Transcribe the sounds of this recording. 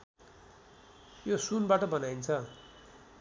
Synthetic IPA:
josunbaʈʌbʌnaint͡sʰʌ

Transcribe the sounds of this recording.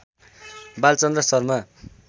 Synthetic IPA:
balt͡sʌnd̪rʌsʌrma

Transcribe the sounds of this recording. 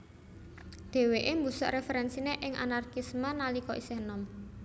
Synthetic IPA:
d̪̥e̤weʔembusɔ̰ʔɾefɛɾɛnsineʔɪŋʔa̰narkismanalikɔʔisehnɔm

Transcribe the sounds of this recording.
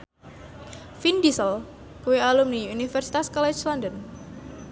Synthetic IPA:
findisəl | kuwealumniunifɛrsi̥t̪askɔlɛt͡ʃlɔndən

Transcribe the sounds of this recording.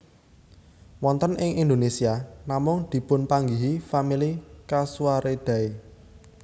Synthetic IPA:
wɔnt̪ənʔɪŋind̪onesianamʊŋd̪̥i̤pʊnpaŋɡiɦifamilikasuaɾed̪̥ä̤e

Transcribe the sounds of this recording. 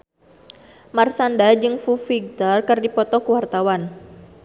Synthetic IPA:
marsandad͡ʒɨŋfufiɡ̚t̪arkɨrdipɔt̪ɔkəwart̪awan

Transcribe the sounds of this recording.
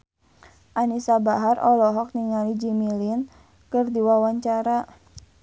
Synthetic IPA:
ʔanisabaɦarʔɔlɔɦɔk̚niŋalid͡ʒimilin | kɨrdiwawaɲt͡ʃaɾa

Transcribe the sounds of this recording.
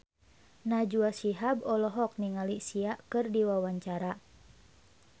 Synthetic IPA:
nad͡ʒuasiɦabɔlɔɦɔk̚niŋalisiaʔkɨrdiwawaɲt͡ʃaɾa

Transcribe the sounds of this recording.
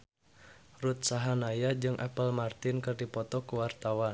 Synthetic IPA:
rut̪̚saɦanajad͡ʒɨŋʔapəlmart̪ɪnkɨrdipɔt̪ɔkuwart̪awan

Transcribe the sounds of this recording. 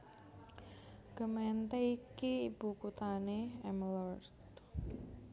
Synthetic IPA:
ɡ̥əmɛnt̪eikiːb̥ukut̪aneɛmlɔrt̪

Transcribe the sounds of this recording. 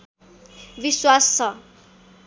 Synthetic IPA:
biswast͡sʰʌ

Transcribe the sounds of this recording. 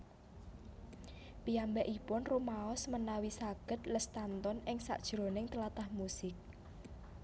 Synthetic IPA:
piambɛʔipʊnromaɔsmənawisaɡ̥ə̤t̪̚ləst̪ant̪ɔnɪŋsa̰ʔd̥ʒ̥ɾo̤nɪŋt̪əlat̪ahmusɪk̚

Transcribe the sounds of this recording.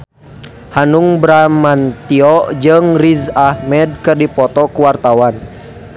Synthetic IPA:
hanuŋbɾamant̪iɔʔd͡ʒɨŋrizahmɛd̚kɨrdipɔt̪ɔkuwart̪awan

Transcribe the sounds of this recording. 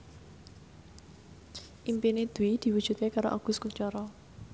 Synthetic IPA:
ʔimpinid̪̥uwid̪̥i̤wud̥ʒ̥ṳt̪̚kekaɾo̰ʔaɡ̥ʊ̤skuɲt͡ʃɔɾɔ

